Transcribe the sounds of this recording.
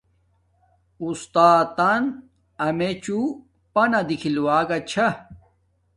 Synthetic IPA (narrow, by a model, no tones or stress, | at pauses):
ust̪aːt̪an | ɐmet͡ɕu | pɐnɐd̪ikʰilwaːɡɐt͡ɕʰɐ